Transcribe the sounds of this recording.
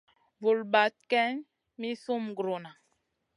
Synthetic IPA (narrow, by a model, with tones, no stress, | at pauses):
vu˨lba˨t̚kɛ˦n | mi˦su˦mɡɾo˨na˨